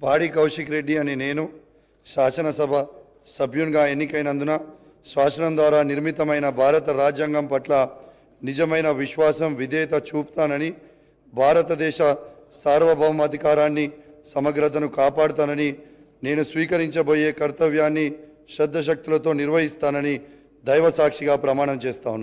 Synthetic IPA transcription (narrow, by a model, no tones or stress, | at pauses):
paːɽikɐwʂikɾe̞ɖːiɐnine̞ːnu | ʃaːsɐnɐsɐbʱɐ | sɐbʱjunɡaːenːikɐjnɐnd̪unɐ | ʃaːsɐnɐmd̪ʋaːɾaːniɾmit̪ɐmɐjnɐbʱaːɾɐt̪ɐɾaːd͡ʒjaːŋɡɐmpɐʈlɐ | nid͡ʒɐmɐjnɐʋiʃʋaːsɐmʋid̪ɛːt̪ɐt͡ʃuːpu̥t̪aːnɐni | bʱaːɾɐt̪ɐd̪ɛːʃɐ | saːɾʋɐbʱɐʋɐmɐd̪ʱikaːɾaːnːi | sɐmɐɡɾɐt̪̬ɐnukaːpaːɽut̪aːnɐni | ne̞ːnusʋiːkɐɾiɲt͡ʃɐbo̞ːje̞ːkɐɾt̪ɐʋjaːnːi | ʃɛd̪ʱːɐʃ̬ɐk̚t̪ulɐt̪o̞ːniɾʋɐɦist̪aːnɐni | d̪ɐjʋɐsaːkʂiɡaːpɾɐmaːɳɐmt͡ʃeːst̪aːwunːa